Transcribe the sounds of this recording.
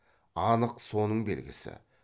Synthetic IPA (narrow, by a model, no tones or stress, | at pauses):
ɑnəqso̞nəɴbḛlɡʲɪsɪ̰